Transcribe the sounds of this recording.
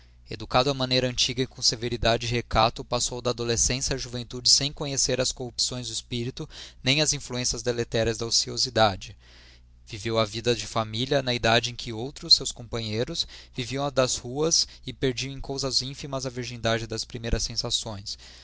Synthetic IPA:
ḛd̪ukad̪ʊɐmɐ̃nejɾɐɐ̃t͡ʃiɡɐɪkõseveɾid̪ad͡ʒɪɪɦekat̪ʊpasowd̪ɐaːd̪olesẽsjɐʒuvẽnt̪ud͡ʒɪsẽj̃kõɲeseɾɐskohupsõj̃zd̪ʊispiɾit̪ʊnẽj̃ɐzĩfluẽsɐzd̪elet̪ɛɾɐzd̪ɐosiozid̪ad͡ʒɪ | v̥ivewɐvid̪ɐd͡ʒɪfamiliɐnɐid̪ad͡ʒɪẽkʰɪowt̪ɾʊsːewskõpɐ̃ɲejɾʊsviviɐ̃w̃ɐd̪ɐzhuɐsɪpeɾd͡ʒiɐ̃w̃ẽj̃kowzɐzĩfimɐzɐviɾʒĩnd̪ad͡ʒɪd̪ɐspɾimejɾɐsẽsasõj̃s

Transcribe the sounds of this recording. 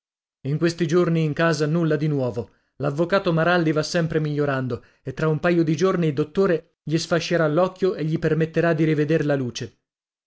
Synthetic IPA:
iŋkwest̪id͡ʒorniːŋkaːzanulːad̪inwɔːvo | lavːokaːt̪omaɾald̪ivasːɛmpɾemiʎːoɾand̪o | et̪ːɾaumpajod̪id͡ʒorniːld̪ot̪ːoːɾe | ʎisfaʃːeɾalːɔkːjoʔeʎːipermet̪ːeɾad̪ːiɾived̪eɾlaluːt͡ʃe

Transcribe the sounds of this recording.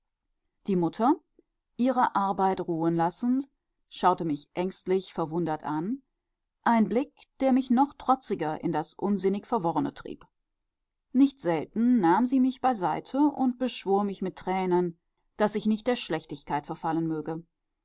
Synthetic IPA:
d̥iːmʊtʰɐ | ʔiːʁəʔaɐbaɪtʁuːənlasn̩t | ʃaʊtəmɪçʔɛŋstlɪçfɛɐvʊndɐtʔan | ʔaɪnblɪkd̥eːɐmɪçnɔχtʁ̥ɔt͡sɪɡɐʔɪ̰ndasʔʊnzɪnɪçfɛɐvɔʁənə̰tʁ̥ḭːp | nɪçtz̥ɛltn̩ːaːmziːmɪçb̥aɪzaɪtʰəʔʊnt̚b̥əʃv̥oːɐmɪçmɪtːʁ̥ɛːnən | d̥asɪçnɪçt̚d̥eːɐʃlɛçtɪçkaɪtfɛɐfalənmøːɡə

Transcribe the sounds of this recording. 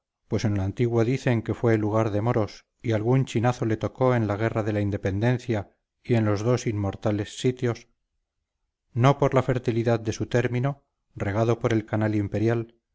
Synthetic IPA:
pwe̞se̞nlaant̪iɣwoðiθe̞ŋke̞fwe̞luɣ̞aɾðe̞moɾo̞s | ialɣunt͡ʃinaθo̞le̞t̪o̞ko̞e̞nlaɣ̞e̞raðe̞laind̪e̞pe̞nd̪e̞n̟θja | ie̞nlo̞zðo̞simːo̞ɾt̪ale̞sːit̪jo̞s | no̞po̞ɾlafe̞ɾt̪iliðaðd̪e̞sut̪e̞ɾmĩno̞ | re̞ɣ̞aðo̞po̞ɾe̞lkanalimpe̞ɾjal

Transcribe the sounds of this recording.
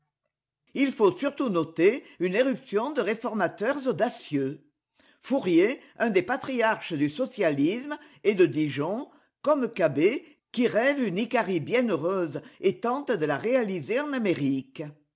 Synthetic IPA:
ilfosyʁt̪unɔt̪eyneʁypsjɔ̃d̪əʁefɔʁmat̪œʁzod̪asjø | fuʁje | œ̃d̪epat̪χijaʁʃəd̪ysɔsjalizmə | ed̪əd̪iʒɔ̃ | kɔmkabe | kiʁɛvynikaʁibjɛ̃nøʁøzəet̪ɑ̃t̪əd̪əlaʁealizeɑ̃nameʁik

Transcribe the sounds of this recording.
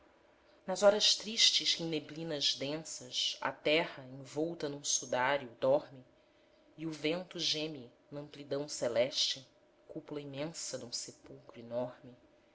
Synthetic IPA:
nɐzɔɾɐʃt̪ɾiʃt͡ʃɪʃkẽj̃neblĩnɐzd̪ẽsɐʃɐ̰t̪ɛhɐẽvɔwt̪ɐnũsud̪aɾjud̪ɔɾmɪ | iuvẽnt̪uʒẽmi | nɐ̃mplid̪ɐ̃w̃selɛʃt͡ʃɪ | kupulɐimẽsɐd̪ũsepuwkɾuinɔɾmɪ

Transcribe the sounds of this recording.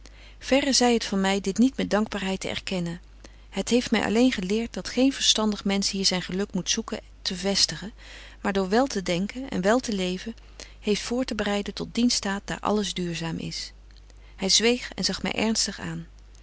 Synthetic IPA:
v̥ɛrəzɛjɦətfɑnmɛjdɪtnitmɛt̚dɑŋɡ̚baːɹɦɛjtə̰ɛ̰ɹkɛnən | ɦətɦejftmɛ̰jʔɑ̰lejnχəlɪːɹt̚dɑtχejnv̥əɹstɑndəχmɛnsɦiːɹzɛjnχəlɵkmutsukə | tʰəvɛstəχə | maːɹdʊːɹʋɛlˠtədɛŋkənɛ̰nʋɛlˠtəlejvə | hejftfʊːɹtəbərɛjdətɔt̚dinstaːt̚d̥a̰ːɹʔɑ̰ləzdyːɹzaːmʔɪ̰s | hɛjzʋejχɛ̰nzɑχmɛ̰jʔɛ̰ɹnstəχa̰ːn

